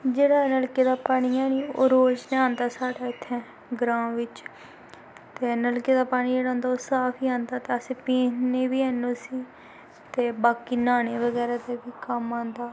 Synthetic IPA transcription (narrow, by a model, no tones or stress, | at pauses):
d͡ʒeːɽaːnəlkeːd̪aːpaːɽ̃iːãːniːo̰ːɾoːd͡ʒneːãːnd̪aːsaːɽaːɪt̪ʰːɛ̃ː | ɡɾãːʋɪt͡ʃ | t̪eːnəlkeːd̪aːpaːɽ̃iːeːɽãːnd̪aːoːsaːpʰiːãːnd̪aːt̪eːəsẽːpiːnneːʋiːɛːnoːsiː | t̪eːbaːkiːnaːneːʋəɡɛːɾaːt̪eːbiːkəmãːnd̪aː